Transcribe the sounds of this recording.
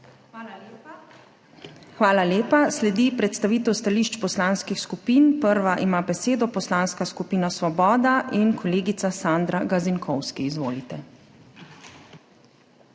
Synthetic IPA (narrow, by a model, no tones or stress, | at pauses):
xʋaːlaleːpaslɛd̪ipɾɛt̪st̪aʋiːt̪ɛwst̪aliːʃt͡ʃpɔslaːnskixskupiːnpəɾʋaʔimaːbɛseːd̪ɔpɔslaːnskaskupiːnasʋɔbɔːd̪aʔinkʰɔleːɡit̪sasand̪ɾaɡaziŋkʰɔwskiːzʋoːlit̪ɛ